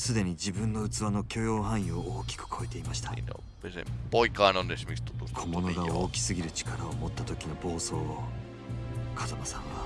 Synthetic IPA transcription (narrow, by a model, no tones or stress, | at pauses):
sɨd̪e̞ɲ̟id͡ʑibɯ̟̃nːo̞ɯ̟t͡sɨβano̞kʲo̞jo̞ːhãɰ̃jooːkʲi̥kɯ̟̥kʰo̞e̞t̪e̞imaɕi̥t̪ḁ̰ | besboikanond̪eɕimist̪o̥t̪okʰo̞mo̞no̞ɡaoːkʲi̥sɨɡʲiɾɯ̟t͡ɕi̥kaɾaomo̞t̪ːat̪o̞kʲino̞bo̞ːso̞ː | kʰazamasã̰ŋɡa